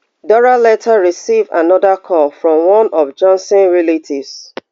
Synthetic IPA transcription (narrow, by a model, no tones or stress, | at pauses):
dɔɹalɛtʰaɹisiva̰nɔðakʰɔlfɹɔ̃mwɔ̃nɔvd͡ʒãnsɔ̃nɹilitʰivs